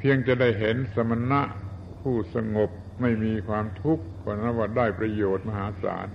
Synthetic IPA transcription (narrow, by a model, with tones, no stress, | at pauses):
pʰi˧əŋt͡ɕa˨˩da˥˩jɦe˩˦nsa˧ma˧na˦˥ʔ | pʰuː˥˩sa˧ŋo˨˩p̚ | ma˥˩jmiː˧kʰwaː˧mt̪ʰu˦˥k̚kɔː˧˩a˧na˦˥˩waː˧˩daː˥˩jpɾa˧joː˨˩t̪̚ma˧ɦaː˩˦sa̰ː˩˦n